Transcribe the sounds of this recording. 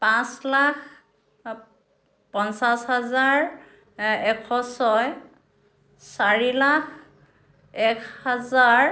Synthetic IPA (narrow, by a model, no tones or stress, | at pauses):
pãslak | pɔnsashazaɹ | ɛkʰɔsɔj | saɹilak | ɛkʰhazaɹ